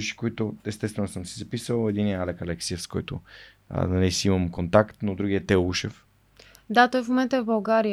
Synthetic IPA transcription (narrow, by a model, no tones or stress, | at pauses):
uʃi̥koit̪ʊɛst̪ɛst̪vɛnosəmsizɐpisəlˠɛd̪iniɛalɛkɐlɛksiəfskɔjt̪ʊ̰ | nɐlisiimɐmkont̪akt̪nod̪ɾuɡʲiɛt̪ɛluʃɛf | d̪at̪ɔjfmomɛnt̪əɛvbɐlˠɡaɾi